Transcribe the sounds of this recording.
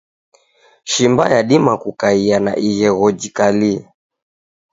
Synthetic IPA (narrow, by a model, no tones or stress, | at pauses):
ʃimba̰jaɗimakukaiana̰ʔiɣɛɣɔd͡ʒikalia